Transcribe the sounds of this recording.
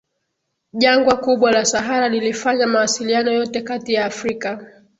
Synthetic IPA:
ʄaŋɡwakuɓwalasaɦaɾalilifaɲamawasilianɔjɔtɛkatijaːfɾika

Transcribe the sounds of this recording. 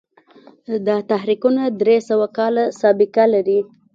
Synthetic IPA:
d̪ɑt̪aɦɾiqunad̪ɾesəwakɑlasɑbɪkalaɾi

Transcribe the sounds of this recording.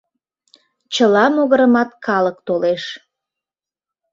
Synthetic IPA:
t͡ɕəlɑmoɣəɾəmɑt̪kʰɑləkt̪oleʃ

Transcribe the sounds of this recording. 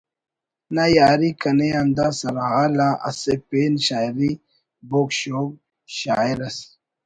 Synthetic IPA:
najaːɾikɐneand̪asɐɾaɦalaʔɐ̰sepenɕaːjɾi | bokɕoːɡ̚ | ɕa̰ːiɾɐsi̥

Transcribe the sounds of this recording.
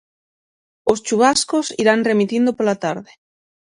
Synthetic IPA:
ost͡ʃuβ̞askosiɾanre̞mit̪ind̪opolat̪aɾðe

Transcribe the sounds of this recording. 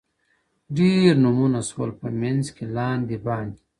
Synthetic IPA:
ɖiɾnumunaswɐlpɐmenzkelaːnd̪ibaːnd̪i

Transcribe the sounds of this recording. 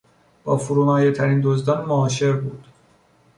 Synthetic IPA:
b̥ɒːfuɾuːmɒːjet̪ʰæɾiːnd̪ozd̪ɒːnmoɒːʃe̞ɾbuːd̪̥

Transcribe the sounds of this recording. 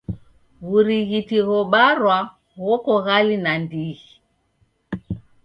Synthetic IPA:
ɣuɾiɣitiɣɔɓaɾwa | ɣɔkɔɣalinandiɣi

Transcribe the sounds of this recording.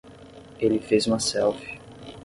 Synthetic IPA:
elɪfezũmɐsɛwfi

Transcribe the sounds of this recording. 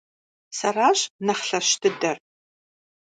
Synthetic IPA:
sɐraːɕnɐχɬɐɕtʰɨdɐr

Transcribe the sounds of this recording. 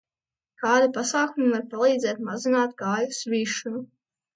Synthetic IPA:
kaːd̪ipasaːkumivaɾpalˠiːd̪zɛːt̪̚mazinaːt̪ɡaːjusɾiːʃunu

